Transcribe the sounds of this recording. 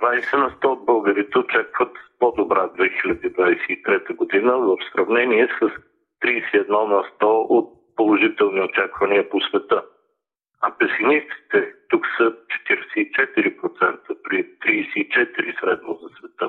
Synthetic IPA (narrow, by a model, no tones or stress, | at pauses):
d̪vajsɛnɐst̪ɔod̪̚bɤlˠɡəɾit̪ɛot͡ʃakvət̪pod̪obɾad̪vɛxilʲɐd̪id̪vajsɛit̪ɾɛt̪əɡod̪inəvəfsɾɐvnɛniɛsəs | t̪ɾisɛiɛd̪nɔnɐst̪ɔot̪̚ | polˠoʒit̪ɛlˠniot͡ʃakvɐniəposvɛt̪ə | ɐpɛsnist̪si̥t̪ɛt̪uksət͡ʃɛ̥t̪iɾɛsɛit͡ʃɛt̪iɾipɾot̪sɛnt̪əpɾit̪ɾisɛit͡ʃɛt̪iɾisɾɛd̪nozɐsvɛt̪ə